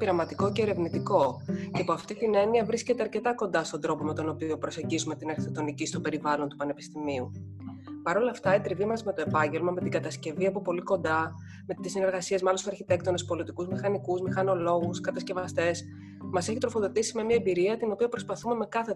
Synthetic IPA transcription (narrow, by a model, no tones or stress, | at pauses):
piɾɐmɐt̪iko̞ce̞ːɾe̞vnit̪iko̞ceɐpoɐft̪it̪ine̞niɐvɾisce̞t̪eɐɾce̞t̪ɐko̞nd̪ɐst̪o̞nd̪ɾo̞po̞me̞t̪o̞no̞pio̞pɾo̞seɟizume̞t̪inɐɾçiθok̚t̪o̞nicist̪ope̞ɾivɐlo̞nt̪upɐnepi̥st̪imiu | pɐɾo̞lɐːft̪ɐit̪ɾivimɐzme̞t̪o̞e̞pɐɲɟe̞lmɐme̞t̪iɡɐt̪ɐsce̞viɐpopo̞liko̞nd̪ɐ | met̪isine̞ɾɣɐsiezmɐlo̞st̪ɐɾçit̪e̞kt̪o̞nespo̞lit̪ikuzmixɐnikuzmixɐno̞lo̞ɣuskɐt̪ɐsce̞vɐst̪e̞s | mɐse̞çit̪ɾo̞fo̞ðo̞t̪isime̞miɐebiɾiɐt̪ino̞piɐpɾo̞spɐθume̞me̞kɐθe